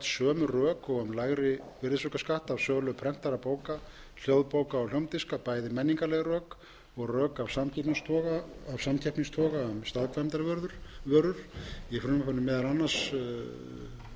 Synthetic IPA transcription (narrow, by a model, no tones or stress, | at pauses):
t̪sœːmʏrœːkɔɣœmlaːɣɾɪ | vɪɾðɪsœkaskaht̪avsœːɣlʏpʰɾɛm̥t̪aɾapoːwka | l̥jowðpoːwkaːwljowmt̪ɪskapaːjðɪmɛnːiŋkalɛɣɾœːk | ɔɣrœːkavsamcʰɛhpniŋst̪ʰɔːɣaːvsamt̪ʰɛhpniŋst̪ʰɔːɣaœmst̪aðkʰvamt̪aɾvœɾðʏɾ̥vœɾʏɾ̥ifɾʏnmfanʏmːɛðalanːḁs